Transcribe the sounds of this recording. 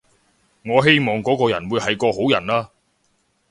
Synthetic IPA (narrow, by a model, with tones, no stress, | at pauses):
ŋɔː˨˧ɦe˥jmɔː˨ŋkɔː˨˥kɔː˧jɐ˨˩nwuː˨˧jhɐ˨jkɔː˧ho˨˥wjɐ˨˩naː˥